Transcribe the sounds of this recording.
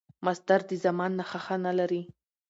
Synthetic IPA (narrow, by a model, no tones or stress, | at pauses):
masd̪aɾd̪əzamɑnːaxaxanalaɾi